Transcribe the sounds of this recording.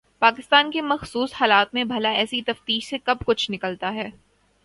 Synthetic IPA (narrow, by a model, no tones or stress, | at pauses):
paːkɪst̪aːnkemɐxsuːshaːlaːt̪mẽbʱɐlaɛːsit̪ɐft̪iːʃsekɐbkʊt͡ʃʰnɪkəlt̪aɦɛː